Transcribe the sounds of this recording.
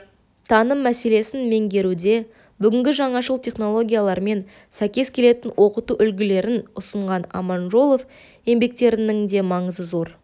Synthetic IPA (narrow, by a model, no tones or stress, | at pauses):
t̪ʰɑnəmːæse̞le̞sɪnme̞ŋɡʲe̞ɾud̪e̞ | bʏɡʲɪŋɡʲɪʒɑɴɑʃəlˠt̪ʰe̞χno̞lˠo̞ɡʲijalˠɑɾme̞n | sæjkʲe̞skʲʰe̞le̞t̪ɪnwʔo̞qət̪uʔʏlɡʲɪle̞ɾɪnʊsəɴʁɑnɑ̰mɑnʒo̞lˠo̞f | je̞mbe̞k̚t̪e̞ɾɪnɪŋd̪e̞mɑɴəzəzoɾ